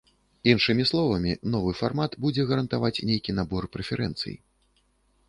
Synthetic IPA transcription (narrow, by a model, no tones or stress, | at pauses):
inʂɨmʲislˠɔvɐmʲinɔvɨfarmat̪bud͡zʲɛɣɐɾɐnt̪avat͡sʲnʲejkʲinabɔrpɾɛfʲɛɾʔɛ̰nt̪sɨ̰jḭ